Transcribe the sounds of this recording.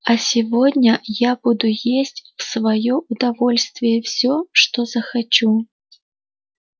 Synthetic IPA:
ɐsʲivɔd̪ʲnʲɐjabud̪ujesʲt͡sʲwsvajɔʔud̪avɔlʲst̪vʲɪjɛwsʲɔʂt̪ɔzɐxat͡ʃu

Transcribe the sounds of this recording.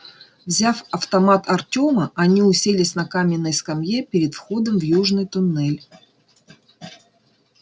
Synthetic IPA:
vzʲafɐft̪ɐmat̪ɐrtʲoməʔɐnʲiʊsʲelʲɪsʲnɐkamʲɪnːəjskɐmjepʲɪɾʲɪt̪fxo̞d̪əmvjuʐnɨjt̪ʊnːɛlʲ

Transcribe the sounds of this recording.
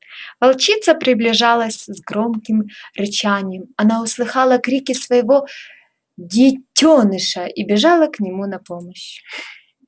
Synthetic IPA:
vɐlˠt͡ɕit̪səpɾʲɪblʲɪʐalˠəsʲzɡɾomkʲɪmɾɨt͡ɕanʲɪjɛmɐnaʊslˠɨxɑlˠɐkɾʲikʲɪsvɐjɪvo | dʲɪtʲːonɨʂɐibʲɪʐɑlˠəknʲɪmunɐpoməɕ

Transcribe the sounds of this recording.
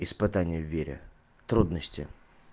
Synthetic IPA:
ɪspɨt̪anʲɪjəvʲːeɾʲɪ̰ | t̪ɾud̪nəsʲtʲɪ̰

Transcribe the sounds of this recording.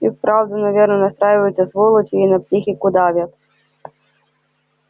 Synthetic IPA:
ikpɾawd̪unɐvʲernɔnɐst̪ɾajɪvɐjut̪sʲɐsvɔlˠɔt͡ɕʲiinɐpsʲixʲikʊd̪avʲat̪

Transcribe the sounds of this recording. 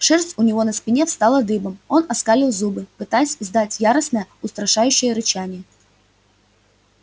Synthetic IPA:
ʂɛrsʲt̪ʲʊnʲɪvo̞nəspʲɪnʲe̞fst̪ɑlˠəd̪ɨbəmo̞nɐskalʲɪlˠzubɨpɨt̪ajɪsʲɪzd̪atʲjaɾəsnəjəʊst̪ɾɐʂajʉɕːɪjəɾɨt͡ɕanʲɪjə

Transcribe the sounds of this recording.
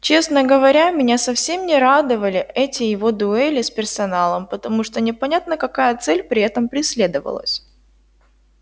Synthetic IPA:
t͡ɕe̞snəɡəvɐɾʲamʲɪnʲasɐfsʲemnʲɪɾad̪ɨvəlʲɪʔɛtʲɪjɪvo̞d̪ʊɛlʲɪspʲɪrsɐnalˠəmpət̪ɐmuʂt̪onʲɪpɐnʲat̪nəkɐkajət̪sɛlʲpɾʲɪɛt̪əmpɾʲɪsʲlʲe̞d̪əvə̰lˠə̰sʲ

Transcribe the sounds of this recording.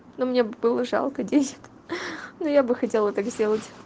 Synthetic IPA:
nomnʲebɨlˠəʐɑ̰lˠkədʲenʲɪ̥k | nojabɨxɐtʲelˠət̪akzʲdʲe̞lˠətʲ

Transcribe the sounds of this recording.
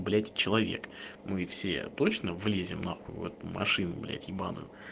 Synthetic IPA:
blʲætʲt͡ɕɪlˠɐvʲe̞̰kmɨfsʲḛt̪ot͡ɕnəvlʲezʲɪmnaxujʊ̰ɛt̪umɐ̰ʂɨnʊblʲæ̰tʲibanʊ̰jʊ

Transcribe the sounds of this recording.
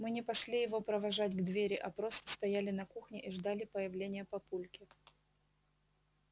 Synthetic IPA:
mɨnʲɪpɐʂlʲijɪvo̞pɾəvɐʐatʲɡd̪vʲeɾʲɪʔɐpɾo̞st̪ə̥st̪ɐjalʲɪnɐkuxnʲɪʔiʐd̪alʲɪpəjɪvlʲenʲɪjəpɐpulʲkʲɪ

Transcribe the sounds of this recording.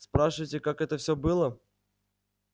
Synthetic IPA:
spɾaʂɨvəjtʲɪkakɛt̪əfsʲobɨlˠə

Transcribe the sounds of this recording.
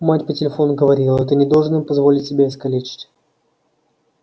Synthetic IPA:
matʲpətʲɪlʲɪfo̞nʊɡəvɐɾʲilˠəɛt̪ənʲɪd̪olˠʐɨnimpɐzvo̞lʲɪtʲsʲɪbʲeɪskɐlʲet͡ɕɪ̥tʲ

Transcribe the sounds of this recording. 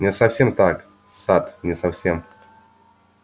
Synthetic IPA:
nʲɪsɐfsʲemt̪ak | sat̪nʲɪsɐfsʲem

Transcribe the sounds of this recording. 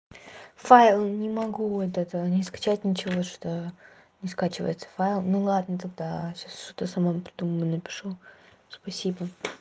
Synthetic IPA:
fajɪlˠnʲɪmɐɡuɛt̪ət̪ənʲɪskɐ̥t͡ɕæt̚ʲnʲɪt͡ɕɪvoʂo̥t̪o | nʲɪskat͡ɕɪvə̰jɪt̪sə̥fajlˠnulˠad̪nət̪ɐɡ̚d̪aɕasʂt̪ot̪əsɐmampɾʲɪd̪uməvənəpʲɪ̥ʂu | spɐsʲibə

